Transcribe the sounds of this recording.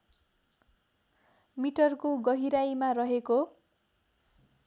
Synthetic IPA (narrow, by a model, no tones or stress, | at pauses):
miʈʌrkoɡʌɦiɾajmarʌɦeko